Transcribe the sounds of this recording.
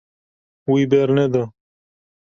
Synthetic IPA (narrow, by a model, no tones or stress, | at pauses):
uibeːɾned̪a